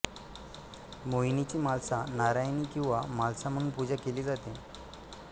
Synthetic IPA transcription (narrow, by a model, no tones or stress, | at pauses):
moinit͡ɕiːmalsanaɾajniːkĩw̃ʋamalsam̤ənuːnpud͡ʑakeliːd͡zat̪e